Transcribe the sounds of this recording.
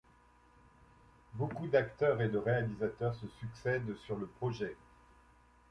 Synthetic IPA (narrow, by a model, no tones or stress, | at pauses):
bokud̪akt̪œʁed̪əʁealizat̪œʁsəsyksɛd̪syʁləpχɔʒɛ